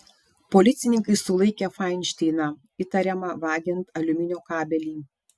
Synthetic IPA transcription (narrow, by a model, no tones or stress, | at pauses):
poːlʲɪt̪sʲɪnʲɪŋkɐɪsʊlˠɐɪkʲɛfɑɪnʲʃʲt̪ʲɛɪnɑ | ɪt̪ɐɾʲɛmɑʋɑːɡʲɪnt̪ɐlʲʊmʲɪnʲoːkɑːbʲɛlʲiː